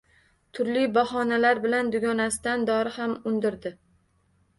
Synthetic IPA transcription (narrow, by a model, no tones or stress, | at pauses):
t̪ʰʊɾlibahɒnalaɾbɪland̪ʊɡʲɒnasɪd̪and̪ɒɾɪhamʊnd̪ɪɾd̪ɪ